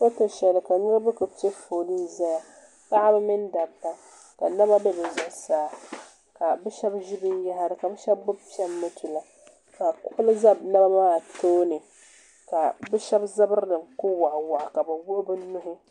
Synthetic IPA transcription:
ko˦ta˨ʃɛ˨lɨ˨ka˨nɨ˦ɾɨ˦bɨ˦kɨ˨pi˦e˦foː˨li˦za˦ja˨ | pa˦ʔa˦bɛ˦mɨ˦nda˨ba˦ | ka˨na˦ba˦bɛ˦bɛ˨zʊ˨ʔsaː˨˦ | ka˨bɛ˦ʃɛ˦bʒi˦bɨ˦n˦ja˦ɦa˦ɾɨ˨ka˨bɛ˦ʃɛ˦bbʊ˦bpi˦ɛ˦mːɨ˦tʰu˨la˨ | ka˨kʊ˦ʔʊ˦lɨ˦za˦bna˦ba˦maː˦˨toː˦nɨ˨ | ka˨bɛ˦ʃɛ˦bza˦bɨ˦ɾnɨ˨mku˦wa˨ʔwa˨ʔka˨bwʊ˦ʔbɨ˦nʊ˦ɦɪ˦

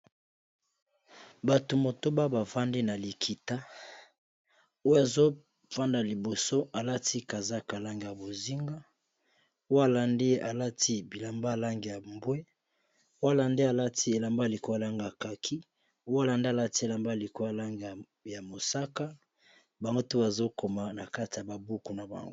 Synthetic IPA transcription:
ba˨to˨mo˨to˦ba˦ba˨fa˦ndi˦na˨li˨kʰi˨ta˦ | o˦ja˨zo˦ | fa˦nda˨li˨bo˨so˦ʔa˨la˦tʰi˦ka˨za˦ka˨la˦ŋɡi˨ja˨bo˨zi˦ŋɡa˦ | o˦a˦˨la˨nde˦a˨la˦ti˦bi˨la˨mba˦˨la˦ŋɡi˨ja˨mbwe˦ | o˦a˦˨la˨nde˦a˨la˦tʰi˦e˨la˨mba˦˨li˨ko˦a˨la˦ŋɡa˨ka˨kʰi˦ | o˦ja˦la˨nde˦a˨la˦ti˦e˨la˨mba˦˨li˨ko˦a˨la˦ŋɡ | ja˨mo˨sa˦ka˦ | ba˨ŋɡo˦tu˦ba˨zo˦ko˨ma˨na˨ka˦ti˨ja˨ba˨bu˦ku˨na˨ba̰˨ŋɡo˦

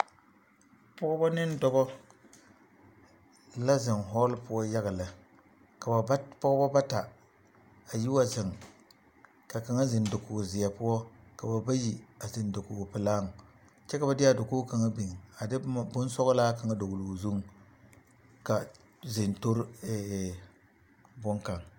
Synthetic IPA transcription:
pɔ˦ɡɔ˦bɔ˦nɪ˦n˦dɔ˦ɡɔ˦ | la˦zɪ˨nɦɔ˦lpʊ˦ɔ˦ja˦ɡa˨la˨ | ka˨a˨˦pɔ˦ɡɔ˦ba˦ba˦ta˨ | a˨ji˦wa˦zɪ˨ŋ˨ | ka˨ka˨ŋa˦zɪ˨ndo˨kʊ˨ɡzɪ˨ja˨pʊ˦ɔ˦ka˨ba˨ba˦ji˨a˨zɪ˨ndo˨kʊ˨ɡpɪ˨laː˦ŋ˨ | t͡ʃɛ˦ka˨ba˨dɪ˦a˨do˨ko˦ka˨ŋa˦bi˨ŋ˨a˨dɪ˦bʊ˦n˦sɔ˦ɣlaː˦ka˨ŋa˦do˨ɡʊ˨lu˨zu˦ŋ˨ | ka˨ | zɪ˨nto˦ɾɛ˨ | bʊ˦ŋka˨ŋ

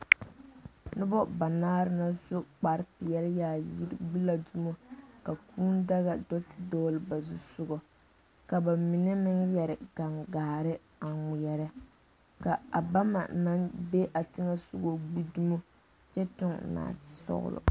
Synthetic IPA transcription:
nʊ˦bɔ˦ba˨naː˦ɾɨ˦na˦zo˦k͡pa˨ɾpɪ˨jɛ˦ljaː˨ji˦ɾɡ͡bi˦la˨du˦mo˦ka˨kʰuː˦n˦da˦ɣa˨dɔ˦tɪ˨dɔ˦lɨ˨ba˨zu˦sʊ˦ɡɔ˨ | ka˨ba˨mi˨nɛ˦mɪ˦ŋjɛ˨ɾɪ˨ɡ̥a˨ŋɡaː˨ɾɪ˦ | a˨ŋʊ˨jɛ˨ɾɪ˦ | ka˨a˨ba˦ma̰˨na˦nbe˦ʔa˨tɪ˦ŋa˦sʊ˦ɡo˦ɡ͡bi˦du˦mo˦ | t͡ʃɛ˦tʊ˦ŋ˨na̰ː˨tɪ̥˨sɔ̰˦ɣʊ̰˦lʊ̰˨

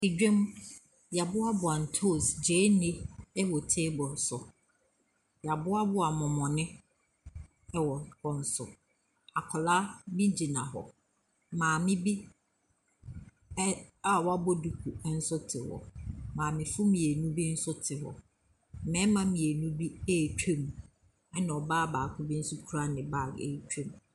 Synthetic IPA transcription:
i˨d͡ʑᶣɛ̃˦m | ja˨bʊ˦a˦bʊ˨a˨n̩˨tʰo˦˨sd͡ʑe˨˦nɪ̃˦ɛ˦wɔ˨tʰeː˦bɔ̃˨n̩˨sʊ˨ | ja˨bʊ˦a˦bʊ˦a˨mɔ̃˨mɔ̃˨nɪ̃˦ | wɔ˨wɔ̃˨n̩˨sʊ̰˨ | a˨kʰɔ˨laː˦mĩ˦d͡ʑi˨nã˨ɦɔ̰˨ | mãː˨mɪ̃˦bi˦ | a˦wa˦bɔ˦du˨kʰu˨˦n̩˦sʊ˦tʰɪ˨wɔ̰˨mãː˨mɪ̃˨fʊ˦mĩ˨e˨nũ˦bi˦n̩˦sʊ˦tʰɪ˨hɔ̰˨ | mɛ̃˦mã˦mĩ˨e˨nũ˦bi˦e˦˨t͡ɕᶣe˦m˨ | ɛ˦nã˨ɔ˨baː˦baː˨kʰʊ˦bi˦n̩˦sʊ˦kʰu˦ɾa˦nɪ̃˨ba˦˨e˨t͡ɕᶣɛ̃˦m

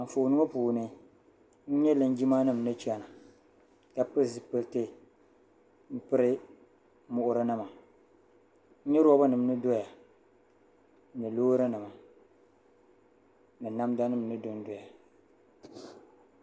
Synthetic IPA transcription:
a˨fo˨nɨ˦o˦puː˨nɨ˦ | n̩˦ɲɛ˦lɨ˨n˦d͡ʒi˦maː˦nɨ˦˨m˨nɨ˦t͡ʃi˦a˦na˨ | ka˦pɨ˦˨zɨ˨pɨ˦lte˦ | m̩˦pɨ˦ɾɪ˦ | mʊ˦ʔʊ˦ɾɨ˦nɨ˦ma˨ | n̩˦ɲɛ˦ɾɔ˦ba˦nɨ˨m˨nɨ˦do˦ja˨˦ | ɲɨ˨loː˦ɾɨ˦nɨ˨ma˨ | nɨ˨na˦m˦da˦nɨ˦m˨nɨ˦dʊ˦n˦do˨ja˨

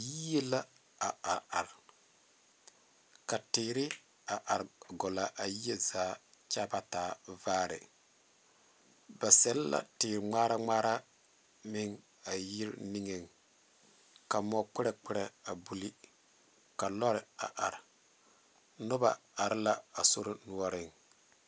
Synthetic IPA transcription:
ji˦e˦la˦ | a˨a˨ɾa˨ɾ | ka˨tɪː˨ɾɪ˦ | a˨ʔa˨ɾɡɔ˨la˨ʔa˨ji˦e˦zaː˨˦t͡ʃa˦ba˦taː˨˦vaː˦ɾɪ̰˨ | ba˨sɛ˦lla̰˨tɪː˨ɾɪ˨ŋ͡maː˦ɾa˦ŋ͡maː˦ɾa˦ | mɪ˦ŋ | a˨ji˦ɾni˦ŋe˨ŋ | ka˨mɔ˨k͡pɪ˦ɾɛ˨k͡pɪ˦ɾɛ˨a˨bu˨li˦ | ka˨lɔ˦ɾɪ˨a̰˨ʔa˨ɾ | nʊ˦ba̰˨a˨ɾɪ˦la˦a˨so˦ɾɪ˦nu˦ɔ˦ɾɪ˨ŋ

